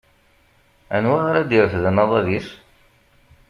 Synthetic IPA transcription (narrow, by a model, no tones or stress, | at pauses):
ænwaaɾæd̪iɾəfðənɑðˤɑðis